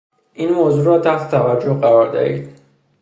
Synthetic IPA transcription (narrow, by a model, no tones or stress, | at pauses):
ʔiːnmoːzuːɾɒːt̪ʰæht̪ʰe̥t̪ʰævæd͡ʒːohɢæɾɒːɾd̪æ̰hḭːd̪̥